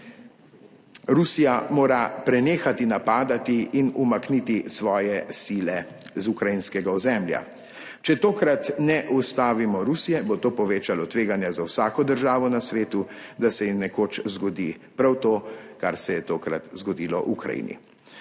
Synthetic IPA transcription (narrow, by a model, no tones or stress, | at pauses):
ɾusijamoːɾapɾɛneːxat̪inapaːd̪at̪iinumaknit̪isʋɔːjɛsiːlɛ | zukɾajinskɛɡaɔzɛmlja̰ | t͡ʃɛt̪oːkɾat̪nɛʔust̪aːʋimɔɾusijɛbot̪oːpɔʋeːt͡ʃalɔt̪ʋeːɡanjazawsaːkɔd̪əɾʒaːʋɔnasʋeːt̪ud̪asɛjimnɛkoːt͡ʃzɡɔd̪i | pɾawt̪oːkaɾsɛjɛt̪oːkɾa̰t̪zɡɔd̪iːlɔ̰ʔukɾa̰jḭːnḭ